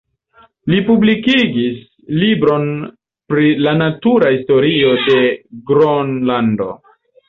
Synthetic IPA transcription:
lipublikiɡis | libɾo̞n | pɾilanatuɾahisto̞ɾio̞de̞ɡɾonlando̞̰

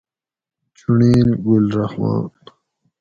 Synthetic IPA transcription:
t͡ɕuɳiːnɡulɾɐhma̰ːt̪

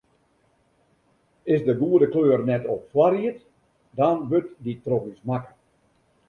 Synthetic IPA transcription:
ɪsdəɡuədəkløːrnɛtɔpfwariət | dɑnʋøtditropismakə

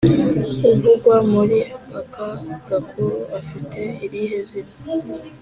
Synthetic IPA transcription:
uɡuɡwamuɾiʔapakaɾakʰuɾuafitʰe̞iɾiɦezino

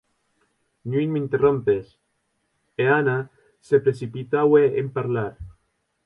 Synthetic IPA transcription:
nuinmeint̪erompes | eana | sepɾesipit̪aweempaɾlaɾ

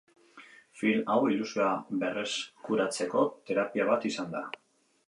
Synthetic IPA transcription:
filawilusioaβe̞reskuɾat͡se̞ko̞t̪e̞ɾapiaβ̞at̪isand̪a

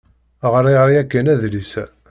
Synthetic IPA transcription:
ʁɾˤiʁɾijækːænæðlisæ

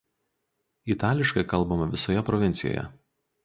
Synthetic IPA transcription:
it̪ɑːlʲɪʃkɐɪkɐlˠbɐmɐʋʲɪsojɛpɾɔʋʲɪnʲt̪sʲɪjo̰ːjɛ̰

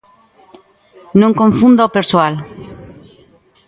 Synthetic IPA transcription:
nõŋkõɱfũnd̪opeɾswal

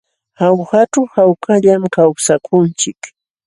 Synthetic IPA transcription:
hawhaʈ͡ʂawhawkʰaʎamkawsakʰʊnt͡ʃɪk

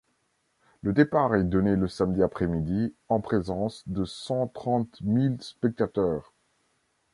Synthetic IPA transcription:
ləd̪epaʁɛd̪ɔneləsamd̪iapχɛmid̪iɑ̃pχezɑ̃sd̪əsɑ̃t̪χɑ̃t̪milspɛk̚t̪at̪œːʁ

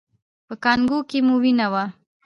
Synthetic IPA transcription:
pəkɑnɡukemuwinawa

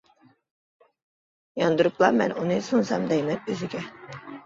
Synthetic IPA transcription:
jɑnd̪uɾuplˠɑmɛ̰nunɨsunsɑmd̪ɛjmɛt̪̚øzɪɡʲɛ

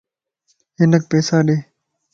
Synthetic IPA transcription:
ɦɪnək̚peːsaːɗeː

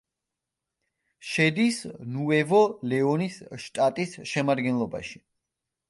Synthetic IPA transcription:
ʃɛd̪isnuɛvɔlɛɔnisʃt̪ʼat̪ʼisʃɛmad̪ɡɛnlˠɔba̰ʃi̥

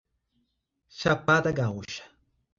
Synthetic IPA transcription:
ʃapat̪aɡawʊʃḁ

